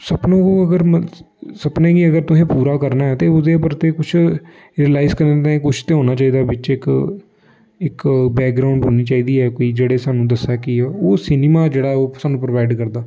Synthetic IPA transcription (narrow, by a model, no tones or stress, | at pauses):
səpnõːəɡəɾm | səpnẽːɡiəɡəɾt̪ʊsẽːpuːɾaːkəɾnaːɛːt̪eːʊd̪eːəpəɾt̪eːkʊt͡ʃʰ | ɾiəlaːɪzkəɾnet̪ãẽːkʊt͡ʃʰt̪eːɦoːnaːt͡ʃaːiːd̪aːbɪt͡ʃɪk | ɪkbɛːk̚ɡɾaːʊɳɖɦoːniːt͡ʃaːiːd̪iːɛːkoːiːd͡ʒeːɽeːsaːnũːd̪əsaːkɪoːsinɪmaːd͡ʒeːɽaːɛoːsaːnũːpɾəʋaːɪɖkəɾd̪aː